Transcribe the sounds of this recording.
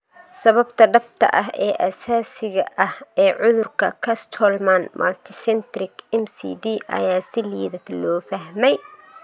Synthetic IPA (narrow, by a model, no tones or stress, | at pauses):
sɐβɐbt̪ʰɐɖɐft̪ʰɐ̰ʔɐɦɛːʔɐsaːsɪɣɐʔɐhɛːʕʊðʊrkʰɐ̰kʰɐst̪ʰɔlmɐnmʔɐ̰lt̪ʰɪsɛnt̪ɾɪkɛmsḭːd̪iːʔɐ̰jaːsɪlḭːðɐd̪lɔːfɐɦmɛj